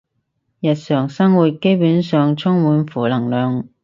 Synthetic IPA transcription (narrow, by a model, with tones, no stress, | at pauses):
jɐ˨t̚sœː˨˩ŋsɐ˥ŋwuː˨t̚ke˥jpuː˨˥nsœː˨ŋt͡sʰʊ˥ŋwuː˨˥nfuː˨˩lɐ˨˩ŋlœː˨ŋ